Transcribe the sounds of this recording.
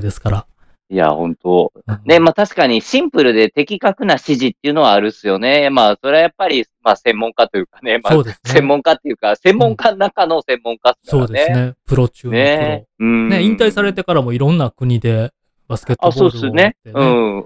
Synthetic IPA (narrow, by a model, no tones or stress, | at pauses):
d̪e̞sɨ̥kaɾa | ija̰hõ̞nt̪o̞ne̞maːt̪aɕi̥kaɲ̟iɕĩmpɯ̟ɾɯ̟d̪e̞t̪e̞kʲikakɯ̟naɕiʑit̪ːeiɯ̟no̞βaːɾɯ̟sɨjo̞ne̞jamaso̞ɾeajapːaɾʲi | masẽ̞mːõ̞ŋkat̪o̞jɯ̟kanemaoːd̪essẽ̞mːõ̞ŋkat̪ːe̞jɯ̟kasẽ̞mːõ̞ŋkanakano̞sẽ̞mːõ̞ŋkasɨ̥ksao̞ːd̪enenepɯ̟ɾo̞t͡ɕɨːneɯ̟̃neĩnt̪aisaɾe̞t̪e̞kaɾamo̞iɾõ̞nːakɯ̟ɲ̟id̪e̞ | basɨ̥ket̪aso̞ːd̪esne̞ɯ̟̃